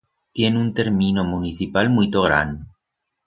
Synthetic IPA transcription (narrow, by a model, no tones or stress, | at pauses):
t̪je̞nunt̪e̞ɾmĩnomuniθipalmuit̪oɣɾa̰n